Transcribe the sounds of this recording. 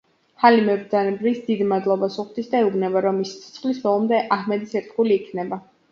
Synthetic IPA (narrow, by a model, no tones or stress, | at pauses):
halimɛbɾd̪zanɛbɾisd̪id̪imad̪lˠɔbasuχd̪isd̪aɛubnɛbaɾɔmːisi̥t̪sʰɛ̥t̪sʰχlisbɔlˠɔmd̪ɛʔahmɛd̪isɛɾt̪ʰχuliːkʰnɛba